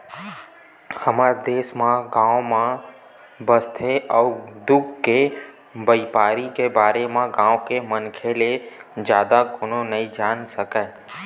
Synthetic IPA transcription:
həmaɾd̪eːsmãɡãːwmã | bəst̪ʰeʔɔːd̪ʊɡke | bəipaːɾikebaːɾemãɡãːwkemənkʰeled͡ʒjaːd̪akoːnonəɦĩd͡ʒaːnsəkaː

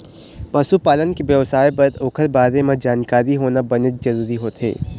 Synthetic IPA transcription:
pɐsupaːlənkebjɐʋsaːebɐɾt̪oːkʰəɾbaːɾemẽd͡ʒaːnkaːɾiɦoːnabɐnət̪̚d͡ʒɐɾuːɾiɦoːt̪ɦḛː

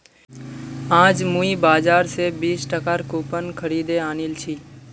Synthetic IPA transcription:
ãːd͡ʒmũibaːd͡ʒaːɾsebiːsʈəkaɾkuːpənkʰəɾiːd̪eaːnilt͡ʃʰiː

